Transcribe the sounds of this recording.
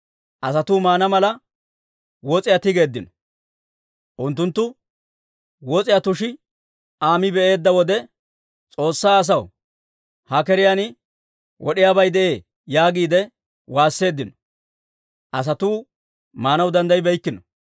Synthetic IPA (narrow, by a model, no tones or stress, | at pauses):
ʔɐsɐt̪uːmaːnɐmɐlɐ | wɔt͡sʼɪjat̪ɪɡe̞ːd̪ːɪnɔ̥ | ʔʊnt̪ːʊnt̪ːʊ | wɔt͡sʼɪjat̪ʊʃɪ | aːmɪbɛʔe̞ːd̪ːɐwɔd̪ɛ | t͡sʼo̞ːsːaːs̬ɐw | hɐkɛɾɪjanɪ | wɔɗɪjaːbɐjd̪ɛʔe̞ː | jaːɡiːd̪ɛ | waːsːe̞ːd̪ːɪnɔ | ʔɐs̬ɐt̪uː | maːnɐwd̪ɐnd̪ɐjbɛjkːɪnɔ